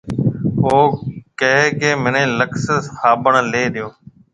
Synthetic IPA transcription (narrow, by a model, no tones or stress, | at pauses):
ɦoːkəɦekeːmɪnẽːləkshaːbəɳleːɗɪjoː